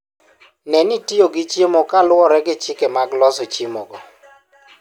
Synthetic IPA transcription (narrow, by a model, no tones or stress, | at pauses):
nɛnitioɡɪt͡ʃemokalwɔɾɛɡɪt͡ʃɪkɛmaɡlɔsot͡ʃimo̰ɡɔ